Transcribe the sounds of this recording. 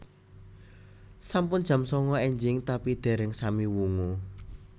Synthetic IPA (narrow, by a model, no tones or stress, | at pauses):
sampʊnd͡ʒ̥ʒ̥ä̤msɔŋɔeɲd͡ʒɪŋt̪apid̪̥e̤ɾɛŋsamiwuŋu